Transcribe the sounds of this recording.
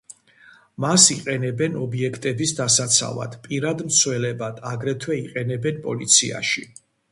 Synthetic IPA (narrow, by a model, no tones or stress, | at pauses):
masiqʼɛnɛbɛnɔbiɛkʰt̪ʼɛbisd̪asat̪sʰa̰va̰d̪̥pʼiɾad̪mt̪sʰwɛlɛbad̪̥ʰaɡɾɛt̪ʰwɛiqʼɛnɛbɛnpʼɔlit̪sʰḭa̰ʃi